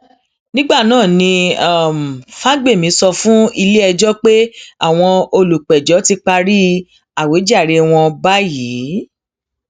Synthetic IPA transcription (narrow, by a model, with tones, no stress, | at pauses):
nĩ˦ɡ͡ba˦˨nãː˦˨nĩ˧a˦˨m˨fa˦ɡ͡be˦˨mĩ˨˦sɔ˧fũ˦i˧le˦ɛ˧d͡ʒɔ˦k͡pe˦a̰˦˨w̃ɔ̃˧o˧lu˨k͡pɛ˨d͡ʒɔ˨˦ti˧k͡pa˧ɾi˦ | a˨we˨˦d͡ʒa˦˨ɾe˧w̃ɔ̃˧ba˦jiː˨˦